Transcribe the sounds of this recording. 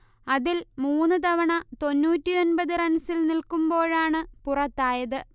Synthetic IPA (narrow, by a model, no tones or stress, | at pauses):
ɐðilmuːnːɨt̪ɐʋɐɳɐt̪o̞nːuːtːio̞nbɐðɨrɐnsilnilkumbo̞ːɻaːɳɨpurɐt̪ːaːjɐðɨ